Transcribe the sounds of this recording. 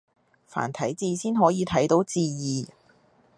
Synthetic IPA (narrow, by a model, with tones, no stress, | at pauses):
fa̰ː˨˩nt̪ʰɐ˨˥jt͡siː˧siː˥nɦɔː˨˥jiː˨˧t̪ʰɐ˨˥jt̪o˨˥wt͡siː˧jiː˨˩